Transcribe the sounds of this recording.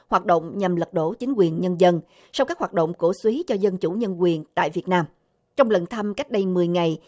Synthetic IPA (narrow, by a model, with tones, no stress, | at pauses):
hwaː˨˩t̚ɗo̰˧˨wŋ͡mɲa˨˩mlə˨˩t̚ɗo˧˩t͡ɕi˨˦ŋ̟kwi˨˩ənɲə˧nzə˧n | sa˧wkaː˦˥k̚hwaː˨˩t̚ɗo̰˧˨ŋ͡mko˧˩swi˨˦t͡ɕɔ˧zə˧nt͡ɕu˧˩ɲə˧nkwi˨˩ənt̪a̰ː˧˨jvi˨˩ət̚naː˧m | t͡ɕɔ˧wŋ͡mlə˨˩nt̪ʰə˧mka˦˥k̚ɗə˧jmɨ˨˩əjŋa˨˩j